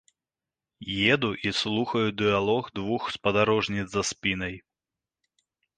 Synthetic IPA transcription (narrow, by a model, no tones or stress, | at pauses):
jɛd̪uʔislˠuxɐjud̪ɨalˠɔɣd̪vuxspɐd̪aɾɔʐnʲid̪zɐspʲinɐj